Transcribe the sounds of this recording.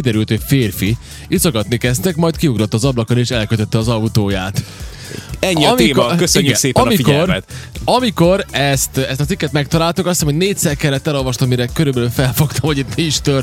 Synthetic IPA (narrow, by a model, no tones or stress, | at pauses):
id̪ɛɾylt̪ho̞cfeːrfi | it̪sokɒt̪nikɛst̪ɛkmɒjt̪kiuɡɾo̞t̪ːɒːzɒblɒkoneːʃɛlkøt̪øt̪ːɛɒzɒut̪oːjaːt̪ | ɛɲːimiːkokøsøiɲːɡseːpnmiiɟɛormɛ̰t̪ɒmiko̞ɾɛst̪ɛst̪ɒt̪ikːɛt̪mɛk̚t̪ɒlaːlt̪ukɒst̪ɛmhodneːtʲsɛrkɛlːɛt̪ːɛlo̞lvɒʃt̪omːiɾɛkøɾybɛlyfɛlfo̞kt̪ɒmhoɟit̪miiʃt̪ør